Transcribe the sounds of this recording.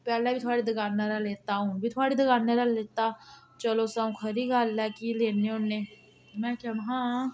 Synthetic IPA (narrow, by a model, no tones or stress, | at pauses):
pɛːlabʱit̪ʰoaːɽid̪əɡaːnːaɾɛleːt̪aɦũbʱit̪ʰoaːɽid̪əɡaːnːaɾɛleːt̪a | t͡ʃəlosaũkʰɐɾiɡaːlːakileːneʊnːe | mɛ̃ːkamɦãː